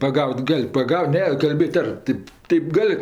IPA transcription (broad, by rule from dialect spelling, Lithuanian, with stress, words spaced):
pɐˈɡɐʊtʲ ˈɡɐlʲ pɐˈɡɐʊt ˈnʲɛ kɐlʲˈbʲeːtʲ ˈɐr ˈtʲeːp ˈtʲɛɪp ˈɡɐlʲ